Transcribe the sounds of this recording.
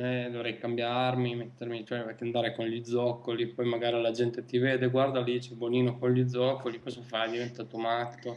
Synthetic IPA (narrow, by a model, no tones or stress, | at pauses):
ɛd̪ovɾɛjkambjarmimet̪ːermit͡ʃoɛpekeand̪aːɾekonʎid̪zːɔkːolipɔjmaɡaːɾialad͡ʒɛnt̪et̪iveːd̪eɡward̪alit͡ʃɛboniːnokonʎid̪zːɔkːolikɔzafajd̪ivent̪aːt̪omat̪ːo